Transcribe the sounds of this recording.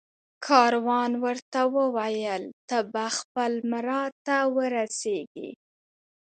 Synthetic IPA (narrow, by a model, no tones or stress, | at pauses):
kʰɑɾwɑnwəɾt̪awəwajəlt̪abaxpəlmɾɑt̪awəɾaseɡḭ